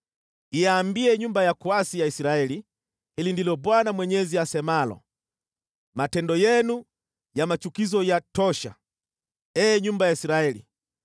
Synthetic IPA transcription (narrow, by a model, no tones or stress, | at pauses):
iaːmbiɛɲumbajakuasijaisiɾaɛli | hilindilɔbwanamwɛɲɛziasɛmalɔ̰ | matɛndɔjɛnu | jamat͡ʃukizɔjatɔʃa̰ | ɛːɲumbajaisiɾaɛlḭ